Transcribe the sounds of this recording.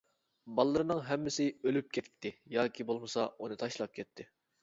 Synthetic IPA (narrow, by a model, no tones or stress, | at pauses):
bɑlˠɨːɨɾɨnɨŋɦɛmːɪsɪølyp̚kʲʰɛt̪̚ʲt̪ʰːɪjɑːkʲʰibolˠmɨsɑunɨt̪ʰɑʃlˠɑp̚kʲʰɛt̪ʰːɪ